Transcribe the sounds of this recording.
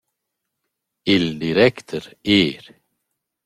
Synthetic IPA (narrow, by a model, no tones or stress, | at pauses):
ɪld̪iɾɛkt̪ʰəɾeːɾ̥